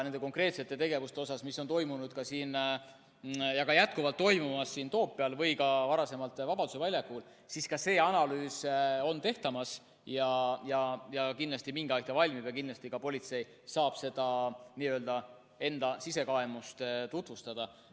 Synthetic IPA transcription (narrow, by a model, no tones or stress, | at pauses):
nend̪eko̞ŋkre̞ːt̪se̞t̪ːˑe̞t̪e̞ɡe̞vust̪e̞o̞s̬ɑsmisːot̪o̞jmunud̪̥kɑsiːn | jɑkɑjæt̪̚kuvɑlt̪ːo̞jmumɑsːiːnt̪o̞ːpːeɑlvɤjkɑvɑɾɑse̞mɑlt̪ːˑvɑb̥ɑd̪use̞vɑlʲjɑkːul | siskɑse̞ːɑnɑlyːso̞nt̪e̞ht̪ɑmɑs | jɑjɑjɑkind̪lɑst̪imiŋɡɑjkt̪ɑvɑlʲmibjɑkind̪lɑst̪ikɑpo̞lʲit̪se̞j | sɑːb̥se̞d̪̥ɑniːøːld̪̥ɑ | e̞nd̪̥ɑsise̞kɑemust̪t̪ut̪vust̪ɑd̪̥ɑ